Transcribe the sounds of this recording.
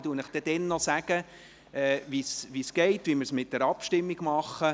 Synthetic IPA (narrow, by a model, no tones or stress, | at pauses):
tuənəχd̥ɛd̥̪ɛnːɔsæɡ̥ə | ɛːʋisʋisɡ̥ɛɪtʋiməɾsmɪt̚d̥ɛɾɑpʃtɪmːiɡ̥mɑχə